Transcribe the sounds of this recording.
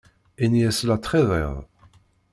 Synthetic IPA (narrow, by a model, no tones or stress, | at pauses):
injæslat̪ːˤχeðɛ̰ðˤ